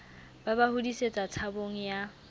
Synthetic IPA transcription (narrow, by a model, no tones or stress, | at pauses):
babahudiset͡sʼat͡sʰaboŋ̩ja